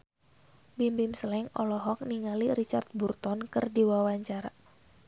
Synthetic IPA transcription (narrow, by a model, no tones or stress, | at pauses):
bimbimsəlɛŋɔ̰lɔɦɔk̚niŋalirit͡ʃart̪̚burt̪ɔnkɨrdiwawaɲt͡ʃaɾa